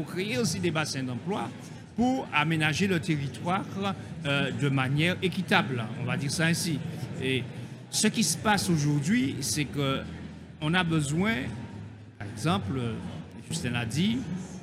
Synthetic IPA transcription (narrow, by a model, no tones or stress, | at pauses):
pukʁeeosid̪ebasɛ̃d̪ɑ̃plwa | puʁamenaʒelət̪eʁit̪waʁ | d̪əmanjɛʁekʲit̪ablɔ̰̃vad̪iʁsaɛ̃sie | səkisə̥pasoʒuʁd̪ɥisɛkə | ɔ̃nabəzwɛ̃ | paʁɛɡzɑ̃plø | ʒyst̪ɛ̃lad̪i